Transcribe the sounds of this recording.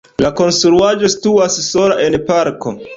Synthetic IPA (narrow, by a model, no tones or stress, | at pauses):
lako̞nstɾuad͡ʒo̞si̥tuasso̞laʔe̞npaɾko